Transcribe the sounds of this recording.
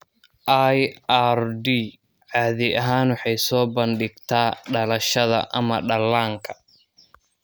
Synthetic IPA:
ʔajarɖi | ʕaːðɪjɐɦaːnwɑħɑjsɔːbɐnɖɪɡt̪ʰaːɖɐlɐʃɐðɐ̰ʔɐmɐɖɐlːaːŋkʰɐ̥

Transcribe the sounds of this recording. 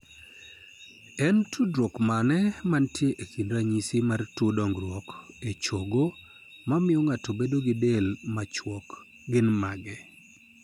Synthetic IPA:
ɛntʰudɾɔkmanɛmantjeʔekindɾaɲisimartodɔŋɡɾwɔk | et͡ʃoɡo | mamɪɔŋatobedoɡɪdelmat͡ʃwɔk | ɡɪnmaɡɛ

